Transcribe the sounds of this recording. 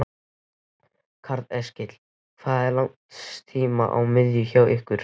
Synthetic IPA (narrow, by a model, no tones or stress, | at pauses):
kʰaɾðɛscɪt̪l̥ | kθaðɛɾlaŋ | st̪ʰiːma̰ʔa̰wmɪðjʏçaːwʔɪhkvʏɾ̥